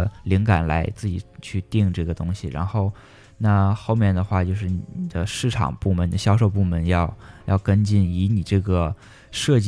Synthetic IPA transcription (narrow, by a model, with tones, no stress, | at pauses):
li˧˥ŋka˨˩nla˧˥ɪt͡sɹ̩˥˩t͡ɕḭ˨˩t͡ɕʰy˥˧t̪i˥˧ŋʈ͡ʂɤ˥˩ɡə˩t̪ʊ˥ŋɕi˨˩ɻa̰˧˥nxo˥˧ʊ | na˥˧xo˥˧ʊmjɛ˥˩nd̪ə˩xwa˥˧t͡ɕjo˥˧ʊʂ̬ɻ̩˥˩ni˨˩ni˨˩d̪̥ə˦ʂɻ̩˥˩ʈ͡ʂʰɑ̰˨˩ŋpu˥˩mə˧˥ni˨˩ə˦ɕjɑ˥ʊʂo˥˧ʊpu˥˩mə˧˥njɑ˥˧ʊjɑ˥˩ʊkə˥nt͡ɕi˥˩ni˧˥ni˨˩ʈ͡ʂɤ˥˩ɡə˩ | ʂɤ˥˧t͡ɕ